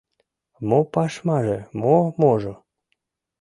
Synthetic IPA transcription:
mopɑʃmɑʒemomoʒo

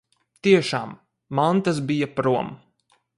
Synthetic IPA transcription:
t̪iɛʃaːmː | ant̪as̬bijapɾuɔm

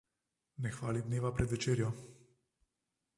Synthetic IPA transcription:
nɛxʋaːlid̪neːʋapɾɛd̪ʋɛt͡ʃeːɾjɔ

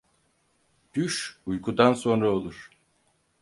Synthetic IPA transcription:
d̪̥yʃujkʰud̪anso̞nɾaolˠuɾ̥

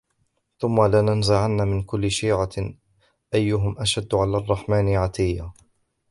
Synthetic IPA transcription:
θʊmːalɪnanzaʕanːamɪnkʊlːɪʃiːʕa | ʔajːʊɦʊmʔaʃad̪ːʕalaːrˤːɑħmaːnɪʕat̪ɪjːa

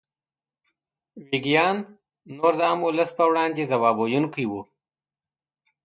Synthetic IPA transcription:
wiɡjɑːnː | oɾd̪əamʊləspəwɽɑːnd̪ezawɑːbojunkiwu

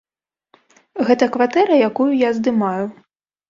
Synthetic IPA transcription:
ɣɛt̪ɐkvat̪ɛɾɐjakujujazd̪ɨmaju

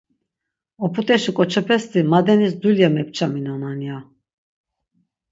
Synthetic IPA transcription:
ɔpʰut̪ʼɛʃikʼɔt͡ʃʰɛpʰɛst̪imad̪ɛnisd̪ulijamɛp̚ʰt͡ʃʰaminanania

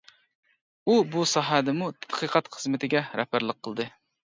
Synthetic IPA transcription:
ubusɑɦɛd̪ɛmut̪ʰɛ̥t̪qʰəqɑt̪χəzmɪt̪ʰɪɡʲɛɾɛ̰hpæɾlˠəqʰːəlˠɨd̪ɨ

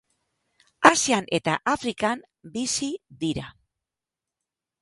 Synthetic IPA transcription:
asianʔe̞t̪aʔafɾikam | bisiðiɾa̰

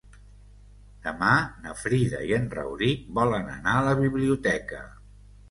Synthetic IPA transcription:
d̪̥əmanəfɾiðə̰iənrə̰wɾibɔlənə̰naələβiβliut̪ɛkə

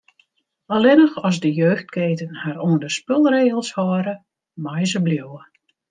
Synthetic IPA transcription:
ɔlɪnəxɔzdəjøːxt̚keːtənhaɾoəndəspølˠreːɣəlˠshɔːɾə | majzəbljowə

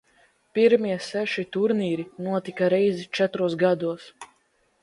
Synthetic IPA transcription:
piɾmiɛsɛʃit̪uɾniːɾinuɔt̪ikaɾɛjzit͡ʃɛt̪ɾuɔsɡad̪uɔs

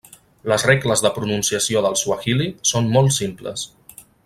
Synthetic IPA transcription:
ləzreɡləzðəpɾununsiəsioðəlˠsuəxilisonmɔlˠtsimplə̰s

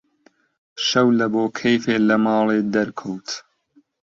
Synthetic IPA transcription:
ʃɐwlɐboːkʰejfeːlɐmɑːlˠeːd̪ɐɾkʰowt̪

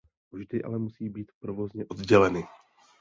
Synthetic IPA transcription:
vʒdɪʔa̰lɛmusiːbiːt̪pɾo̞vo̞zɲɛʔo̞d̪ɟɛlɛnɪ

